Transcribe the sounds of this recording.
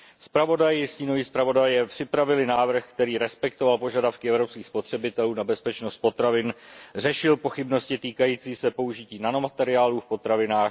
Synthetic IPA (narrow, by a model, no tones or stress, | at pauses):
spɾavo̞dajɪsciːno̞viːspɾavo̞dajɛpr̥ɪpɾavɪlɪnaːvr̩xkt̪ɛɾiːɾɛspɛkt̪o̞valpo̞ʒadafkɪʔɛvɾopskiːxspo̞t̪r̥ɛbɪt̪ɛluːnabɛspɛt͡ʃnost̪̚po̞t̪ɾavɪnr̝ɛʃɪlpo̞xɪbno̞scɪt̪iːkajiːt͡siːsɛpo̞uʒɪciːnano̞mat̪ɛɾɪaːluːfpo̞t̪ɾavɪnaːx